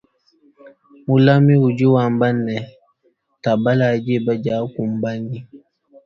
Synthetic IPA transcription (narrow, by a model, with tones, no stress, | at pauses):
mu˦la˦mi˦wu˨d͡ʒi˦wa˨mba˦nːɛ˨ | ta˨ba˦la˨d͡ʒi˦˨ba˦d͡ʒa˨˦ku˨m˨ba˦ni˦